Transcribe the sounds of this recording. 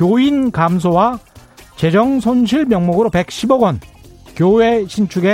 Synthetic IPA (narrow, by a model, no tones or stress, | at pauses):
kjoinkams̬ʰowat͡ɕe̞d͡ʑʌŋsʰonɕʰiɭmjʌŋmoɡɯɾope̞k̚ɕʰiboɡwʌnkjowe̞ɕʰint͡ɕʰuɡe̞